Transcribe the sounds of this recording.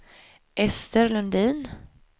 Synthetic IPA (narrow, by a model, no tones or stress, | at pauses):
ʔɛst̪əɾlɵnd̪iːn